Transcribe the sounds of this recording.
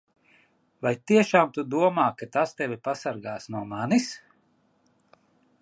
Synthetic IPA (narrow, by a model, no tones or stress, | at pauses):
vajt̪iɛʃaːmt̪ud̪uɔmaːkat̪ast̪ɛvʲipasaɾɡaːsnuɔmanis